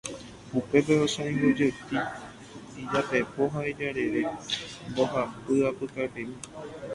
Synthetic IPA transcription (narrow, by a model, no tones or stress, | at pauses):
upe̞p̬eosõĩɡud͡ʒət̪i | id͡ʒapepo̞ɦaed͡ʒaɾe̞ɾemboɦapɨapɨkaepẽmĩ